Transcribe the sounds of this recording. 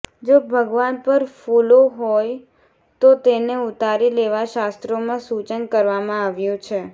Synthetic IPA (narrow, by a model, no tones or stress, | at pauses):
d͡ʒobʱəɡʋanpəɾfuloɦoj | t̪ot̪eneut̪aɾileʋaʃast̪ɾomãsut͡ʃənkəɾʋamãaʋjũt͡ʃʰe